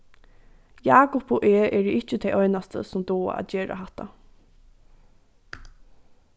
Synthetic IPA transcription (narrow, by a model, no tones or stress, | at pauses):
jaːkʊpoʔeːʔɛɾəʔɪht͡ʃːət̪ʰejʔɔʏnast̪ʰə̰sʊmd̪oːa̰a̰t̪d͡ʒeːɹa̰ɦaht̪a̰